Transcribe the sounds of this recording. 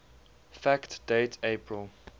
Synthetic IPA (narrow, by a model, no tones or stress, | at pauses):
fæktd̥eɪtʰeɪpʰɹəlˠ